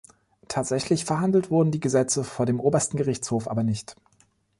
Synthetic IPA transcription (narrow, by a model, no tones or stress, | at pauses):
tʰaːtz̥ɛçlɪçfɛɐɦandl̩tv̥ʊɐdn̩diːɡəzɛt͡səfoːɐdeːmʔoːbɐstn̩ɡəʁɪçt͡shoːfʔa̰ːbɐnɪçt